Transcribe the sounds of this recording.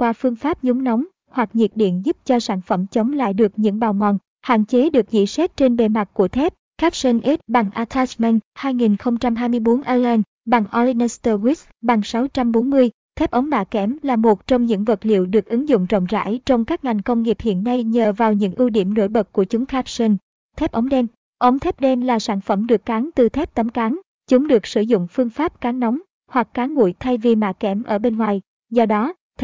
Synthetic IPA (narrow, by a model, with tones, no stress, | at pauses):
kwaː˧fɨ˧əŋfaː˦˥p̚ɲʊ˨˦ŋ͡mnɔ˨˦wŋ͡m | hwa˨˩k̚ɲḭ˨˩ət̚ɗḭ˧˨ənzu˦˥p̚t͡ɕɔ˧saː˧˩nfə˧˩mt͡ɕə˨˦ŋ͡mmla̰ː˧˨jɗɨ˨˩ək̚ɲɨ̰˧˥ŋɓaː˨˩wŋɔ̰˧˩n | ha̰ː˧˨nt͡ɕe˨˦ɗɨ˨˩ək̚zḭ˧˨sɛ˦˥t̚t͡ɕe˧nɓe˧˩ma˨˩t̚ku˧˩ət̪ʰɛ˦˥p̚ | xaː˦˥p̚sə˧nʔɛ˦˥t̚ɓa˨˩ŋʔaː˧t̪ʰa˦˥t͡ɕmɛ˧nhaː˧jŋi˨˩nxə˧wŋ͡mt͡ɕa˧mɦaː˧jmɨ˧əjɓo˨˦nʔaː˧laː˧n | ɓa˨˩ŋʔɔ˧li˧nɛ˧st̪ə˧wi˦˥t̚ | ɓa˨˩ŋsa˨˦wt͡ɕa˧mɓo˨˦nmɨ˧əj | t̪ʰɛ˦˥p̚ʔə˨˦ŋ͡mɗaː˧˩kɛ˨˦mlaː˨˩mo˨˩t̚t͡ɕɔ˧wŋ͡mɲɨ̰˧˥ŋvə˨˩t̚lḭ˧˨əwɗɨ˨˩ək̚ʔɨ˨˦ŋzʊ̰˧˨ŋ͡mzɔ̰˧˨ŋ͡mza̰ː˧˥˨jt͡ɕɔ˧wŋ͡mkaː˦˥k̚ŋa˨˩jŋ̟kə˧wŋ͡mŋi˨˩əp̚hḭ˧˨ənːa˧jɲəː˨˩vaː˨˩wɲɨ̰˧˥ŋʔi˧wɗḭ˧˩əmno̰˧˥˩jɓə˨˩t̚ku˧˩ət͡ɕʊ˨˦ŋ͡mxaː˦˥p̚sə˧n | t̪ʰɛ˦˥p̚ʔə˨˦wŋ͡mɗɛ˧m | ʔə˨˦wŋ͡mt̪ʰɛ˦˥p̚ɗɛ˧mlaː˨˩saː˧˩nfə˧˩mɗɨ˨˩əkːaː˨˦ŋt̪ɨ˨˩t̪ʰɛ˦˥p̚t̪ə˨˦mkaː˨˦ŋ | t͡ɕʊ˨˦ŋ͡mɗɨ˨˩ək̚sɨ˧˩zʊ̰˧˨ŋ͡mfɨ˧əŋfaː˦˥p̚kaː˨˦ŋnɔ˨˦wŋ͡m | hwa˨˩k̚ːaː˨˦ŋŋṵ˧˩˨jt̪ʰa˧jvi˨˩ma̰ː˧˩kɛ˧˩mʔəː˧˩ɓe˧nŋwaː˨˩j | zɔ˧ɗɔ˨˦